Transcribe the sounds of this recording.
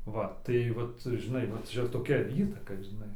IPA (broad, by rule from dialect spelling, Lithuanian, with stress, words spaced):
ˈʋɐ tɐɪ ˈʋɐt ʒʲɪˈnɐɪ ʋɐ ˈt͡ʃʲɛ toːˈkʲɛ ˈiːtɐkɐ ʒʲɪˈnɐɪ